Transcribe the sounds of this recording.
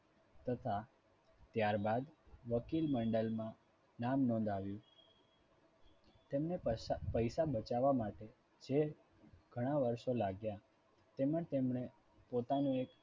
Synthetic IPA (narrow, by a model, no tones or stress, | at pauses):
t̪ət̪ʰa | t̪jaɾbad̪ʋəkilməɳɖəlmã | namnɔ̃nd̪ʱaʋjũ | t̪emnepəjsabət͡ʃaʋamaʈe | d͡ʒe | ɡ̥ʱəɽ̃aʋəɾʃolaɡja | t̪emə̃ɳt̪emɳe | pot̪anũek